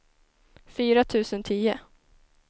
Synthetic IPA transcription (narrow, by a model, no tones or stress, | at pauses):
fyːɾat̪ʰʉ̟ːsənt̪ʰiːə